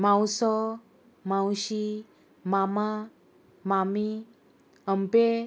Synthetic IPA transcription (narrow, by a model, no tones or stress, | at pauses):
mãwsɔ | mãwɕi | mama | mami | əmpe